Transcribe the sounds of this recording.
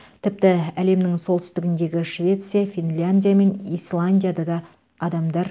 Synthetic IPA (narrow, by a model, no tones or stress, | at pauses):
t̪ʰɪp̚t̪ɪæle̞mnɪŋsolˠt̪ʏ̥st̪ɪɡʲɪnd̪e̞ɡʲɪʃvʲe̞t̪sɨjafʲinlʲanʲd̪ʲijame̞nijslˠanʲd̪ʲijad̪ɑd̪ɑː | d̪ɑmd̪ɑɾ